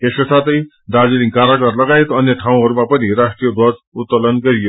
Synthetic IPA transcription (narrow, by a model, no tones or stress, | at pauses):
t̪eskosat̪ʌj | d̪ad͡ziliŋkaɾʌkarlʌɡaet̪ʌnjʌʈʰaw̃ɦʌɾumapʌnirasʈrijʌd̪ʱʌd͡zut̪ːʌlʌnɡʌɾijo